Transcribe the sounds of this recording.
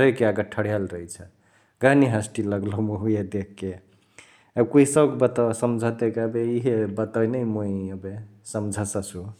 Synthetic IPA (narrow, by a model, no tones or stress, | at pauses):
əjkeaɡəʈʰəɽijalɾəɦit͡ʃʰə | ɡaniɦasʈiləɡlɔmuɦujed̪ekʰːe | əb̚kuisəbkbət̪asəmd͡ʒʱət̪ekəbeiɦebət̪ajnəjmoiəbe | səmd͡ʒʱəsəsu